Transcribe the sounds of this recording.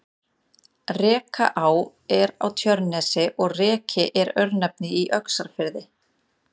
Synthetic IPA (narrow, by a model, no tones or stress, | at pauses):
rɛːkʰa̰ʔaw | ɛɾa̰wt̪ʰjœɾnɛsɪʔɔɣrɛːcʰɪʔɛɾœɥɾnɛp̚nɪiʔœksaɾ̥fɪɾðɪ